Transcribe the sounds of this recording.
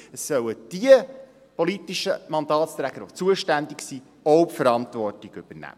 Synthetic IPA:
əsːœwəd̥iə | pɔlitiʃəmɑnd̪ɑːtst̪ɾæɡ̥əɾot͡suəʃtændiksiː | ɔʊpfəɾɑntvɔrtiɡ̥ʏb̥ənæ̰

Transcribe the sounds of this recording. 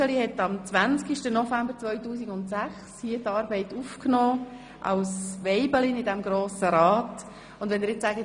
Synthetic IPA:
əlihɛtɑmt͡sʋænt͡skiʃtənɔfæmbəɾt͡sʋœʏtuːsiɡʊntsæχshiətɑːɾbɛɪtufknɔː | ʔɑ̰wsʋɛɪbəlinɪdɛmɡɾoːsəɾɑːt | ʊndʋɛnɪɾjɪt͡ssaːɡə

